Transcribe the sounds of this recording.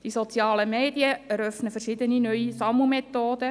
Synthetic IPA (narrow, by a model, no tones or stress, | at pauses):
d̥isot͡sjɑːləmeːdiəɛɾœfnəfɛrʃɪd̪əninœʏisɑmumet̪ːoːd̥̪ə